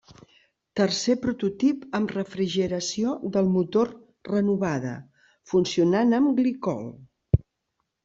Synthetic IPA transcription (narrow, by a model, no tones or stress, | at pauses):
t̪ərsepɾut̪ut̪ipəmrəfɾiʒəɾəsioðəlˠmut̪or | rənuβað̞ə̰ | funsiunanəmɡlikɔ̰l